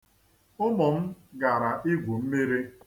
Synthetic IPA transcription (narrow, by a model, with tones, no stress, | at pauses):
ʊ˦mɔ˨m̩˦ɡa˨ɾa˨ʔi˦ɡʷu˨m̩˦me˦ɾe˦